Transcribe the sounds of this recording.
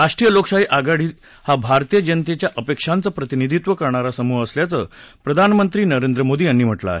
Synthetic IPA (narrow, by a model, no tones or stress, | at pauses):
aʂʈɾiːjəloksaɦiːʔaɡaɽiː | habʱaɾt̪ijəd͡ʑənt̪et͡ɕjaʔəpekʂant͡səːpɾət̪inid̪ʱit̪ʋəkəɾɳaɾasəmuɦəsljat͡səːpɾəd̪ʱanmənt̪ɾiːnəɾend̪ɾəmod̪iːjanːiːm̤əʈla̰a̰ɦe